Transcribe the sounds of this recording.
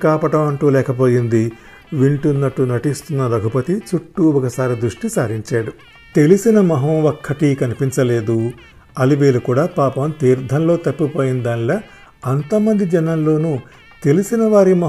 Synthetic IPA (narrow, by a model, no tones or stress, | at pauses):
kaːpɐʈɐmɐɳʈuːlɛːkɐp̬o̞ːjind̪i | ʋiɳʈunːɐʈːunɐʈist̪unːɐd̪ɐɡʱupɐt̪it͡ʃuʈːuɔkɐsaːɾid̪ɾuʂʈisaːɾiɲt͡ʃaːɽu | t̪e̞lisinɐmɐɦɐːokʰːɐʈikɐnipiɲt͡ʃɐle̞ːd̪u | ɐliʋeːlukuːɽaːpaːpɐmt̪iːɾd̪ʱɐnlo̞ːt̪ɐpːipoːjind̪aːnlɐ | ɐnt̪ɐmɐnd̪id͡ʒɛnɐnlo̞ːnu | t̪e̞lisinɐʋaːɾimɐ